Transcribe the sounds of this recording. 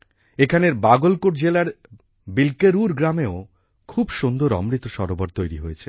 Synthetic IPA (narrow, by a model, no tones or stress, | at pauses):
ekʰaneɾbaɡolkoʈd͡ʑelaɾ | bilkeɾuɾɡɾameo | kʰubʃond̪oɾɔ̰mɾit̪ːoʃɔɾoboɾt̪ojɾiɦojet͡ɕʰe